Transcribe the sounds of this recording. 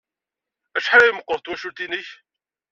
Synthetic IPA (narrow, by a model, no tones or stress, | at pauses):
æʃħaɾæjməqːəɾˤt̪wæʃut̪iniç